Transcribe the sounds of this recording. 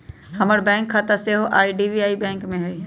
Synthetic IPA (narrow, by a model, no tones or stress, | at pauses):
hɐməɾbɛ̃ːŋkʰːat̪aseɦoʔaːiɖibiaːibɛ̃ːŋkmẽɦɛi